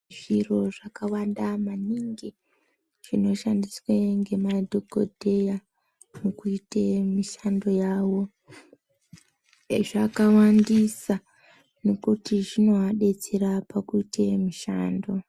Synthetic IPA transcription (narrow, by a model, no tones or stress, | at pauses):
ʐiro̞ʐakawandamaniŋɡi | ʐ̥ino̞ʃandisweŋɡe̞madʱoko̰dʱe̞ja | nokuitemiʃando̞jaːwo̞ | ʐakawandisa | no̞kutiʐino̞ɦaɗe̞t͡seɾapakuitʰemiʃaːndo̞